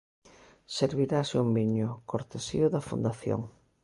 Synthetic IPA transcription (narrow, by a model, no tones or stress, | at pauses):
seɾβiɾaseumbiɲʊkoɾt̪esḭʊðɐfṵnd̪aθjo̰ŋ